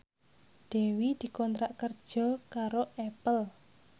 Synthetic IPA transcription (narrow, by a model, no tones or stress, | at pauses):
ɖ̪̥ɛ̤wid̪̥i̤kɔnt̪ɾaʔkərd̥ʒ̥ɔ̤kaɾoʔɛpəl